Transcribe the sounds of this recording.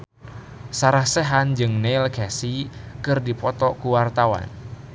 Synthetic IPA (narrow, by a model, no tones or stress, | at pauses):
saɾahsɛɦand͡ʒɨŋneilkɛsikɨrdipɔt̪ɔkuwart̪awa̰n